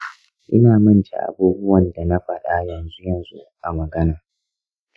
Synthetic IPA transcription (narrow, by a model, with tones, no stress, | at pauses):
ʔɪ˦naː˨mɐ˦nt͡ʃḛ˨ʔa̰˨buː˦bʊ˦wɐ˨nda˨na˦ɸɐ˨ɗa˦jɐ˨nzu˦jɐ˨nzṵ˦ʔa˨mɐ˨ɡɐ˦naː˨